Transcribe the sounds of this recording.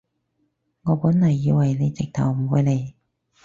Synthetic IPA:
ŋɔː˨˧puː˨˥nlɐ˨˩jːiː˧wɐ˨˩jne˨˧t͡sɪ˨k̚t̪ʰɐ̰˨˩wm̩˨˩wuː˨˧jle˨˧j

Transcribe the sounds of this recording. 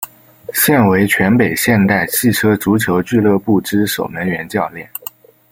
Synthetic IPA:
ɕjɛ˥˩nwe˧˥ɪt͡ɕʰɥɛ˧˥npe˨˩ɪɕjɛ˥˧nt̪a˥˩ɪɕʰi˥˩ʈ͡ʂʰɤ˥ʈ͡ʂu˧˥t͡ɕʰjo˧˥ʊt͡ɕy˥˧lɤ˥˧pu˥˩ʈ͡ʂɻ̩˥ʂo˨˩ʊnə˧˥ŋɥɛ˧˥nt͡ɕjɑ˥˧ʊljɛ˥˩n

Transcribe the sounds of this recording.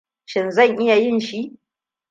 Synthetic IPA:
ʃɪ˨nzɐ˦˨ŋʔɪ˦ja˨jɪ˦˨nʃi˦ʔ

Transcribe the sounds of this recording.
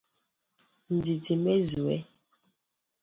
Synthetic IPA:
n̩˨di˨di˨me˦zu˨ɛ̰˦

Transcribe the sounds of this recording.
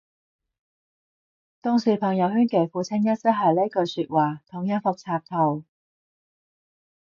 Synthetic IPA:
t̪ʊ˥ŋsiː˨˩pʰɐ˨ŋjɐ˨˧whyː˥nke˨˩jfuː˨˥t͡sʰɪ˥ŋjɐ˥t̚sɐ˥k̚ɦɐ˨˧jle˥kɵ˧syː˧t̚waː˨˩t̪ʰʊ˨˥ŋjɐ˥fʊ˧k̚t͡sʰaː˧p̚t̪ʰo˨˩w

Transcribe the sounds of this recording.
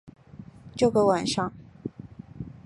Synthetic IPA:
t͡ɕjo˥˩ʊɡə˧˦wa˨˩nʂɑ˥˩ŋ

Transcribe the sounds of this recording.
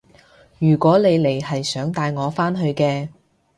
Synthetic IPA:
jyː˨˩kʷɔː˨˥le˨˧jle˨˩jhɐ˨jsœː˨˥ŋt̪aː˧jŋɔː˨˧faː˥nɦɵ˧ɥkɛː˧

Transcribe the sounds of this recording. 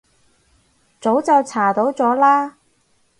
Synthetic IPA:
t͡so˨˥wt͡sɐ˨wt͡sʰaː˨˩t̪o˨˥wt͡sɔː˨˥laː˥

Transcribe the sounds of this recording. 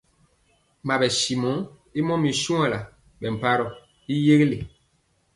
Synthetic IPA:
ma˨bɛ˨si˨mõ˨˦ | i˦mɔ˦mi˨sũ˦a˨la˨ | ɓɛ˨m̩˨pa˦ɾɔ˨ | i˦je˦ɣle˨

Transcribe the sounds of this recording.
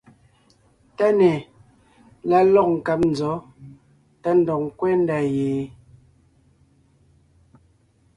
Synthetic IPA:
ta˦nɛ˨ | la˨˦lɔ˦˨k̚ŋ̩˨ka˨p̚n̩˨zɔ˨˦ | ta˦n̩˨dɔ˨k̚ŋ˨kwɛ˦n˦da˨jeː˨

